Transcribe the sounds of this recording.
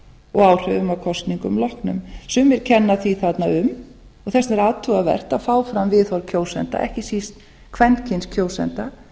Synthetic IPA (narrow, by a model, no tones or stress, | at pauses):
ɔɣaːwr̥œðʏmaðkʰɔst̪niŋkʏmlɔhknʏ̰msʏmɛɾ̥cʰɛnːaθviθat̪naʏm | ɔɣθɛsɛɾaːðt̪ʰʏɣavɛ̰r̥t̪afaːwfɾamvɪðɔɾcʰowsɛnt̪a̰ʔɛ̰hcɪsist̪ | kʰvɛncʰɪnscʰjoːwsɛ̰nt̪a